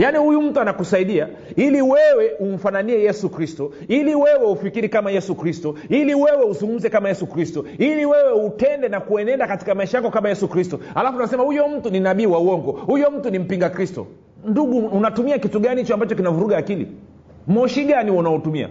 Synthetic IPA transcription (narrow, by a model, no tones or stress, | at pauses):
janihujum̩tuanakusaiɗia | iliwɛwɛum̩fananiɛjɛsukɾistɔ | iliwɛwɛufikiɾikamajɛsukɾistɔiliwɛwɛuzuŋɡum̩zɛkamajɛsukɾistɔiliwɛwɛutɛndɛnakuɛnɛndakati̥kamaiʃajakɔkamajɛsukɾistɔhalafunasɛmahujɔm̩tuninaɓiːwauɔŋɡɔhujɔm̩tunim̩piŋɡakɾistɔ̰ | nduɠuːnatumiakituɠanihit͡ʃɔambat͡ʃɔkinavuɾuɠaːkilḭ | mɔʃiɠaniɔnaɔtumia̰